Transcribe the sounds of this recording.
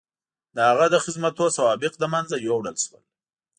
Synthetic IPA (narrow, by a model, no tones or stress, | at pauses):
d̪əhaɣad̪əxɪzmat̪osawɑbɪqd̪əmanzajwawɽəlʃwə̰l